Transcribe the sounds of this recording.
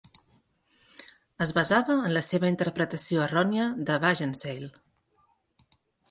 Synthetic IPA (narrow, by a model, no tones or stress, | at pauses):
əzβəzaβəːnləseβəint̪əɾpɾət̪əsioərɔniəðəβaʒənsejl